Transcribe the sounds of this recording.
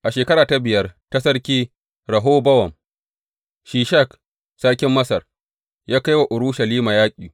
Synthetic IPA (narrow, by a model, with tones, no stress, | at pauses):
ʔa˨ʃeː˨kɐ˦ɾaː˨ta˦bɪ˨jɐ˦rta˦sɐ˦ɽkʲiː˦ | ɾɐ˨ɦoː˦bɐ˦wɐ˨m | ʃiː˨ʃa˦˨k | saː˦kʲɪ˦mːɐ˦sɐ˨r | jaː˦ka˦jwa˨ʔʊ˨ɽʊ˦ʃɐ˨liː˦maː˨jaː˦kʲʼiː˨